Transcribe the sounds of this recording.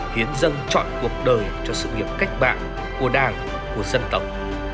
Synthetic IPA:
hi˨˦ənzə˧nt͡ɕɔ̰˧˨nku˨˩ək̚ɗəː˨˩jt͡ɕɔ˧sɨ̰˧˨ŋi˨˩əp̚ka˦˥jk̟̚ɓa̰ː˧˨n | ko˧˩ɗaː˧˩ŋ | ku˧˩əzə˧nt̪ə˨˩wk͡p̚

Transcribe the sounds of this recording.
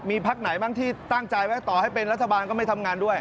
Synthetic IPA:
miː˧pʰa˦˥k̚na˩˦jbaː˥˩ŋt̪ʰiː˥˩t̪aː˥˩ŋt͡ɕa˧jwa˦˥t̪ɔː˨˩ha˥˩jpe˧nɾa˦˥t̪̚ʰːa˧baː˧nkɔː˥˩ma˥˩t̪ʰa˧mŋaː˧ndu˥˩əj

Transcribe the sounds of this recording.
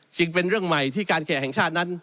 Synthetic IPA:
t͡ɕɯ˧ŋpe˧nɾɯ˥˩əŋma˨˩jt̪ʰiː˥˩kaː˧nkʰɛː˨˩ɦɛ˨˩ŋt͡ɕʰaː˥˩t̪̚na˦˥n

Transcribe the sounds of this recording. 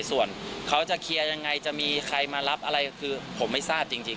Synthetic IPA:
su˨˩ənkʰa˦˥wt͡ɕa˨˩kʰi˧əja˧ŋːa˧jt͡ɕa˨˩ʔmiː˧kʰɾa˧jmaː˧la˦˥p̚ʔa˧ɾa˧jkʰɯː˧pʰo˩˦mːa˥˩jsaː˥˩p̚t͡ɕi˧ŋt͡ɕi˧ŋ

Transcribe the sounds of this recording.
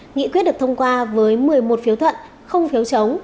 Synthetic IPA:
ŋḭ˧˨kwi˦˥t̚ɗ̚t̪ʰwŋ͡mkwaː˧vəː˨˦jmɨ˨˩əjmo˨˩t̚fi˨˦wt̪ʰwə̰˧˨n | xə˧wŋ͡mfi˨˦wt͡ɕə˨˦wŋ͡m

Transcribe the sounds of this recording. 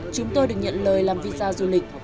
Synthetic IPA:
t͡ɕʊ˨˦ŋ͡mt̪o˧jɗɨ˨˩ək̚ɲə̰˧˨nləː˨˩jlaː˨˩mvi˧zaː˧zu˧˩lï˨˩k̟̚

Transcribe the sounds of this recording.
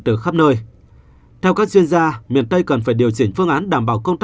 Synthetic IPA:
t̪ɨ˨˩xaː˦˥p̚nəː˧j | t̪ʰɛ˧wkaː˦˥k̚zwi˧ənzaː˧mḭ˨ənt̪ə˧jkə˨˩nfaː˧˩jɗi˨˩əwt͡ɕï˧˩ŋ̟fɨ˧əŋʔaː˨˦nɗaː˧˩mɓaː˧˩wkə˧wŋ͡mt̪a˦˥

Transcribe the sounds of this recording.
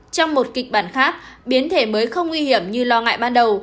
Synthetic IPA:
t͡ɕɔ˧wŋ͡mmo˨˩t̚kï˨˩k̚ɓaː˧˩nxaː˦˥k̚ɓi˨˦ənt̪ʰe˧˩məː˨˦jxə˧wŋ͡mŋwi˧hi˧˩əmɲɨ˧lɔ˧ŋa̰ː˧˨jɓaː˧nɗə˨˩w

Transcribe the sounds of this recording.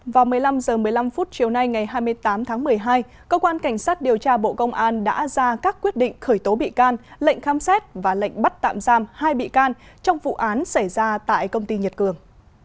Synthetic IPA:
vaː˨˩wmɨ˨˩əjla˧mzəː˨˩mɨ˨˩əjla˧mfu˦˥t̚t͡ɕi˨˩əwna˧jŋa˨˩jɦaː˧jmɨ˧əjt̪aː˨˦mt̪ʰaː˨˦ŋmɨ˨˩əjɦaː˧j | kə˧wkwaː˧nka˧˩jŋ̟saː˦˥t̚ɗi˨˩əwt͡ɕaː˧ɓo̰˧˨kə˧wŋ͡mʔaː˧nɗa̰ː˧˥zaː˧kaː˦˥kːwi˦˥ət̚ɗḭ̈˧˨ŋ̟xəː˧˩jt̪o˨˦ɓḭ˧˨kaː˧nlḛ˧˨jŋ̟xaː˨˦msɛ˦˥t̚vaː˨˩lə̰˧˨jŋ̟ɓa˦˥t̚t̪a̰ː˧˨mzaː˧mhaː˧jɓḭ˧˨kaː˧nt͡ɕɔ˧wŋ͡mvṵ˧˨ʔaː˨˦nsa˧˩jzaː˧t̪a̰ː˧˨jkə˧wŋ͡mt̪i˧ɲə˨˩t̚kɨ˨˩əŋ

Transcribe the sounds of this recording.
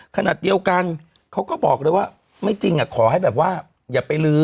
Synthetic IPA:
kʰa˧naː˨˩t̪̚di˧əwka˧n | kʰa˦˥wkɔː˥˩bɔː˨˩k̚ɾɤː˧jwaː˥˩ | ma˥˩jt͡ɕi˧ŋʔa˨˩kʰɔː˩˦ha˥˩jbɛː˨˩p̚waː˥˩ | jaː˨˩pa˧jlɯː˧˦

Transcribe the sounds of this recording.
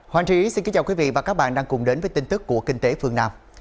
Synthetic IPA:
hwaː˨˦nt͡ɕi˧˨i˨˦si˧nki˨˦t͡ɕaː˧˩kwi˨˦vḭ˧˨vaː˨˩kaː˦˥k̚ɓa̰ː˧˨nɗaː˧ŋkʊ˨˩ŋ͡mɗe˨˦nvəː˨˦jt̪i˧ŋ̟t̪ɨ˦˥kːu˧˩əkï˧ŋ̟t̪e˨˦fɨ˧əŋnaː˧m

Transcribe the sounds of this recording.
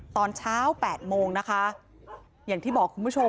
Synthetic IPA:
t̪ɔː˧nt͡ɕʰaː˦˥wpɛː˨˩t̪̚moː˧ŋna˦˥kʰa˦˥ | jaː˨˩ŋt̪ʰiː˥˩bɔː˨˩kʰːu˧mpu˥˩˧

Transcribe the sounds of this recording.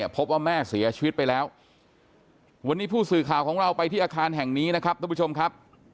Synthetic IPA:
ɐpʰo˦˥p̚waː˥˩mɛː˥˩si˩˦ɐt͡ɕʰiː˧wt̪̚pa˧jlɛː˦˥w | wa˧nːiː˦˥pʰuː˥˩sɯː˨˩kʰaː˨˩wkʰɔː˩˦ŋɾa˧wpa˧jt̪ʰiː˥˩ʔaː˧kʰaː˧nɦɛ˨˩ŋniː˦˥na˦˥kʰa˦˥p̚t̪ʰa˥mpt͡ɕʰo˧mkʰa˦˥p̚

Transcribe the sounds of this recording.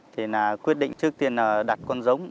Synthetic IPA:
t̪ʰi˨˩naː˨˩kwi˦˥ət̚ɗḭ˧˨ŋ̟t͡ɕɨ˦˥ək̚t̪i˧ənəː˨˩ɗa˨˩t̚kɔ˧nzə˨˦wŋ͡m

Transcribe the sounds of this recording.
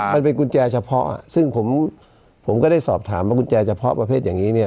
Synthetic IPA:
ma˧npe˧nku˧nt͡ɕɛː˧t͡ɕʰa˧pʰɔ˦˥ʔa̰˨˩sɯ˥˩ŋpʰo˩˦m | pʰo˩˦mkɔ˥˩da˥˩jsɔː˨˩p̚t̪ʰaː˩˦mwaː˥˩ku˧nt͡ɕɛː˧t͡ɕʰa˧pʰɔ˦˥pɾa˧pʰeː˥˩t̪̚jaː˨˩ŋiː˦˥ni˥˩

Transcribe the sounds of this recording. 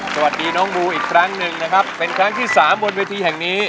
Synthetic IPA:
sa˧wa˨˩t̪̚diː˧nɔː˦˥ŋmuː˧ʔiː˨˩kʰɾa˦˥ŋnɯ˧ŋna˦˥kʰa˦˥pːe˧nkʰɾa˦˥ŋt̪ʰiː˥˩saː˩˦mbo˧nweː˧t̪ʰiː˧hɛ˨˩ŋniː˦˥

